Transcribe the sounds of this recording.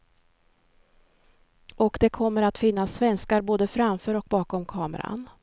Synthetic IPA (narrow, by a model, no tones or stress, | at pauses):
ɔkd̪ɛkʰɔmːəɾat̪fɪnːasːvɛnskaɾboːd̪əfɾamfœːɾɔk̚bɑːkɔmkʰɑːmə̰ɾa̰n